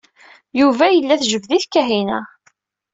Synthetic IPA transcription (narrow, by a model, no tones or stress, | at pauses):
juvæjəlːæθʒəvðiθkːæɦinæ̰